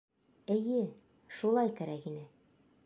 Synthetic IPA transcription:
ɘ̆jɘ | ʃulˠɑjkæɾækinɘ

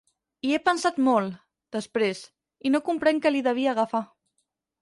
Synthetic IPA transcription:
iepənsat̪mol | d̪̥əspɾez | inokumpɾɛŋkəliðəβ̞iəɣ̞afa

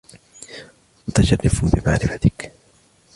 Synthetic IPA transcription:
mʊt̪aʃarːɪfbɪmaʕɾɪfat̪ɪk

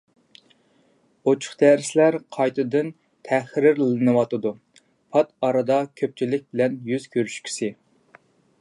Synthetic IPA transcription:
ot͡ʃʰʊ̥χd̪̥æɾɪslæɾqʰɑjt̪ʰɨd̪ɨn | t̪ʰæχɾɪɾlɨnɨwɑt̪ɨd̪u | pʰɑt̪ɑɾɨd̪ɑkʲʰøp̚t͡ʃʰilɪk̚ʲbɪlɛnjyz̥kʲʰøɾyʃkʲʰi̥sɪ

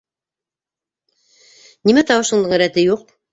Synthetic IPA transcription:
nimæt̪ɑwɤ̆ʃɤ̆ɴd̪ɤɴɘ̆ɾæt̪ɘjuq

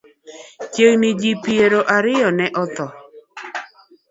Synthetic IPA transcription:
t͡ʃewnɪd͡ʒipieɾoʔaɾɪjɔnɛʔɔt̪ɔ

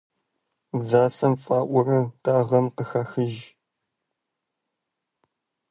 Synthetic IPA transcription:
zaːsɐmfaːʔʷʊrɐtʰʼaːʁɐmqəxɐxɨʒ

